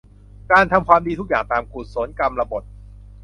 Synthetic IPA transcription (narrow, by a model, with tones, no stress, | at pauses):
kaː˧nt̪ʰa˧mkʰwaː˧mdiː˧t̪ʰu˦˥k̚jaː˨˩ŋt̪aː˨˧mku˨˩t̪̚so˩˦nka˧mɾa˧bo˨˩t̪̚